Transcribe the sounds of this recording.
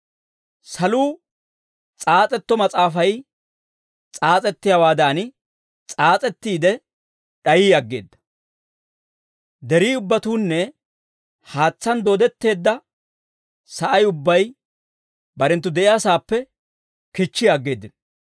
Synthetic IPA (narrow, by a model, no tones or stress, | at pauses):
sɐluː | t͡sʼaːt͡sʼɛt̪ːɔmɐt͡sʼaːfɐj | t͡sʼaːt͡sʼɛt̪ːɪjawaːd̪aːn | t͡sʼaːt͡sʼɛt̪ːiːd̪ɛ | ɗɐjiːɐɡːe̞̰ːd̪ːɐ̥ | d̪ɛɾiːʊbːɐt̪uːnːɛ | haːt͡sːɐnd̪oːd̪ɛt̪ːe̞ːd̪ːɐ | sɐʔɐjʊbːɐj | bɐɾɛnt̪̬ːʊd̪ɛʔɪjaːsaːpːɛ | kɪt͡ʃːɪjɐɡːe̞ːd̪ːɪn